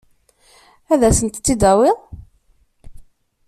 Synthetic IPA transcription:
æðæsənt̪ːid̪æwɪʁ

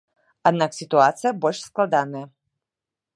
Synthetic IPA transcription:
ad̪̚naksʲit̪uat̪sɨjɐbɔlʲʂsklˠad̪anɐjɐ

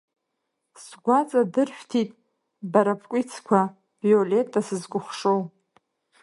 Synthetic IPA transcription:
sɡʷat͡sʼadɨrʃᶣtʰitʼ | baɾapʰʼkʷʼit͡sʰkʷʰa | vjole̞tʰʼasɨzɡʷʊχʂow

